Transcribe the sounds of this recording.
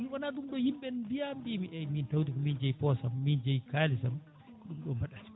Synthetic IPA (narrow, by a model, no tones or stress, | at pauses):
mwanaːɗumɗɔhimɓɛndijambimiʔɛjmintawdikɔmind͡ʒɛjpɔsamːind͡ʒɛjkaːlisam | kɔɗumɗɔmbaɗasi̥